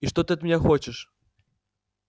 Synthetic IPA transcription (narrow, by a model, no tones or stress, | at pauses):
iʂt̪ɔt̪ɨɐt̪mʲnʲaxɔt͡ɕɪʂ